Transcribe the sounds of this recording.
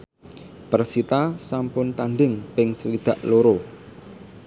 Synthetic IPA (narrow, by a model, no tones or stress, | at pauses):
pərsit̪asampʊnt̪anɖɪŋpɪŋsəlid̪̥a̤ʔloɾo